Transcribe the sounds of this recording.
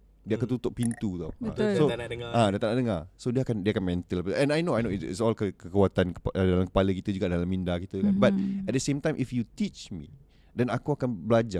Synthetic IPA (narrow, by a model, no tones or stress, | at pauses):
diakant̪ut̪ʊʔ̚pint̪ut̪a̰w̰ssoaŋaadat̪anaʔdəŋasodiəakandiakanmɛ̃nt̪əlapəʔɛ̃najnoajnoitḭtsɔlkəkəkuat̪ankədalamkə̥paləkit̪əd͡ʒuɡaʔdalamːindakit̪əkanbat̚ɛt̚dəsẽmt̪ãjmʔifjut̪it͡ʃmḭ | dɛnakuakanbəlad͡ʒa